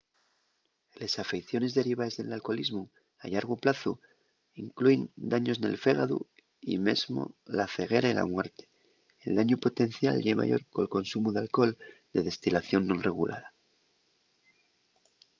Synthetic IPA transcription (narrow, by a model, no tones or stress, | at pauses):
lesafe̞jθjo̞ne̞zðe̞ɾiβaezðe̞lalko̞lizmu | a̰ʎaɾɣ̞oplaθu | iŋkluend̪aɲo̞sne̞̰lfe̞ɣaðṵ | ḭme̞̰zmo̰laθe̞ɣe̞ɾaila̰mwe̞ɾt̪e̥ | eld̪aɲupo̞t̪e̞n̟θja̰lʎema̰ʝo̞̰ɾko̞lko̞nsumuðealko̞ld̪e̞ðe̞st̪ilaθjo̞nːonre̞ɣ̞ulʔa̰ða